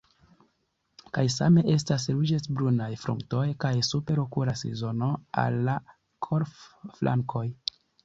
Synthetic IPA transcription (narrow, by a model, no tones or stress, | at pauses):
kajsa̰me̞ʔe̞stas̬ɾud͡ʒesbɾunajfɾṵŋkto̞jkajsupe̞ɾokuɾasɾḭzo̞no̞a̰lːa | kʰoɾfflʔa̰ŋkʰo̞j